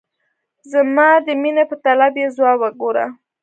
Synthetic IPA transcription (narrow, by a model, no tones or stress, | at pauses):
zamɑd̪əminepət̪alabjezwɑwəɡoɾa̰